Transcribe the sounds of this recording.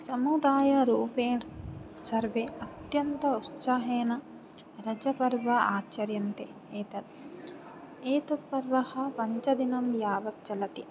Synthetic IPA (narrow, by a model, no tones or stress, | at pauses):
sɐmud̪aːjɐɾuːpeː | sɐɾʋeːɐt̪jɐnt̪ɐut̪saɦeːnɐ | ɾɐd͡ʒɐpɐɾʋɐaːt͡ʃɐɾjɐnt̪e | eːt̪ɐt̪̚ | eːt̪ɐt̪̚pɐɾʋɐhɐ̆pɐɲt͡ʃɐd̪inɐmjaːʋɐk̚t͡ʃɐlɐt̪i